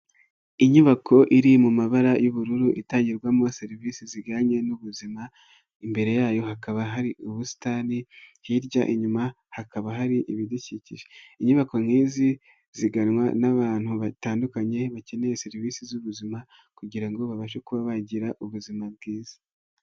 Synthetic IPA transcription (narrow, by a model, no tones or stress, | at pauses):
iɲuβakʰo̞ʔiɾimumaβaɾajuβuɾuɾuʔitaːɲɟiɾɡwamoseɾivisiziɡaːɲe̞nuβuzima | imbe̞ɾe̞jaːjo̞ɦakaβaɦaɾiuβusi̥tanihiɾɟa̰ʔiɲuma | hakaβaɦaɾiʔiβidicicḭʒeiɲuβako̞ŋ̥hiːzi | ziɡanwanaβaːn̥huβataːndukaɲe̞βace̞ne̞jeseɾivisizuβuzima | kuɟiɾaŋɡo̞βaβaʃe̞kuβaβaɟiɾaʔuβuzimab̚ɡiːz̥ḁ